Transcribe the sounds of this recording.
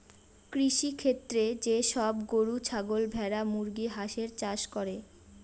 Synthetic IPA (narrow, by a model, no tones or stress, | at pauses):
kɾiʃikʰet̪ːɾed͡ʑeʃɔbɡoɾut͡ɕʰaɡolbʱɛɾamuɾɡiɦaʃeɾt͡ɕaʃkɔɾe